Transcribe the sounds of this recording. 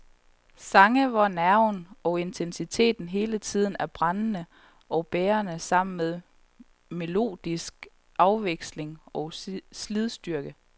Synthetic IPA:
sɑ̈ŋəʋɑ̈næɐ̰ʊnɒ̽e̝nt͡sʰensit͡sʰe̝̰ːd̥n̩ɦe̝ːlət͡sʰið̞̰ˠn̩æɐb̥ʁɑnnə | ɒ̽ʊb̥eːɐnəsɑ̈m̰n̩með̞ˠ | me̝lo̝̰ːd̥isɡ̥ | ʔɑ̈ʊʋeɡ̥sle̝ŋɒ̽slið̞ˠsd̥yɐɡ̥ə

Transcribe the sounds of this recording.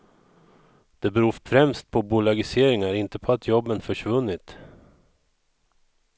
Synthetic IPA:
d̪̥ɛbɛɾuːfɾɛmst̪̚pʰɔbʊlaɡɪseːɾɪŋaɾɪnt̪əpʰɔat̪ʰjɔbːənfœʂvɵnːɪt̪

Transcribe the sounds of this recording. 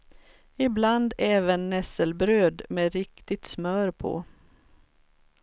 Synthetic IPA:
ɪbland̪ɛːvənːɛsəlbɾøːd̪meɾɪkt̪ɪt̪smœːɾpʰɔ̰ː

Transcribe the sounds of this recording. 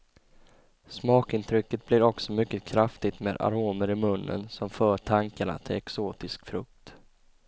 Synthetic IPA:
smɑːkɪnt̪ʰɾʏkːət̪̚blɪɾɔksɔmʏkːəkʰɾaft̪ɪɡt̪meːd̪a̰ɾoːməɾɪmɵnːə̰nsɔmfœːʈʰaŋkaɳa̰t̪ʰɪlɛksoːt̪ɪskfɾɵk̚t̪

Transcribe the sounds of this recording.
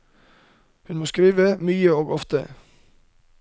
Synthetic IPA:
hʉnmoːskɾiːʋəmyːəoːɡɔft̪ə̰

